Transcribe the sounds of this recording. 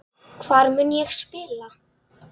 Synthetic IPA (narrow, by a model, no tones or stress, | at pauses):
kʰv̥aɾmʏnjɛɣspɪːla